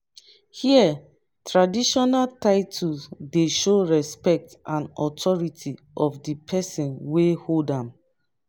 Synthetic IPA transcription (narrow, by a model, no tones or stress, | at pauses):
hiɛ | tɹadiʃɔnaltaɪtʰudeʃoɹɛspɛk̚tãnɔtʰɔɹitʰi | ʔɔfdipʰɛsĩnweholdãm